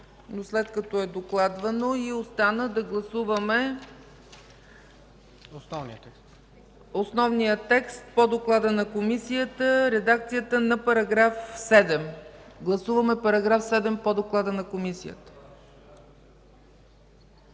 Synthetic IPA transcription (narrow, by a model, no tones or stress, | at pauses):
noslɛt̪kɐt̪ɔɛd̪oklˠad̪vɐnoiost̪anəd̪ɐɡlˠɐsuvəmɛ | snvni | osnɔvnijət̪ɛkst̪̚pod̪oklˠad̪ənɐkomisiət̪əɾɛd̪ak̚t̪sijət̪ənɐpɐɾɐɡɾafsɛd̪ɛmɡlˠɐsuvəmɛpɐɾɐɡɾafsɛd̪ɛmpod̪oklˠad̪ənɐkomisijə̰t̪ə̥